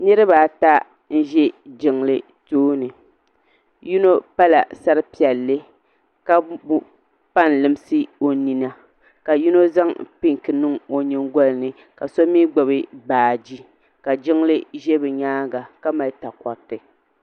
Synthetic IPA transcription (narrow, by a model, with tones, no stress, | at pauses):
nɨ˦ɾɨ˦baː˨ta˦ | n̩˦ʒɛ˦d͡ʒɪ˨ŋlɨ˦ | toː˦nɨ˨ | ju˦no˦pa˦la̰˨sa˦ɾɨ˦pi˨ɛ˨lːɨ˦ | ka˦bu˦ | pa˦n˨lɨ˨m˦sɨ˦o˨ni˨na˦ | ka˨ju˦no˦za˦ŋpi˦ŋkɨ˨nɨ˦ŋo˨ɲɛ˦ŋɡɔ˦lɨ˨nɨ˨ | ka˨sɔ˦miː˦ɡ͡bɔ˨bɨ˦baː˨d͡ʒi˦ | ka˨d͡ʒɪ˦ŋlɨ˦ʒɛ˦bɨ˨ɲaː˦ɡa˨ka˦ma˨˦ta˨kɔ˨ɾtɨ˨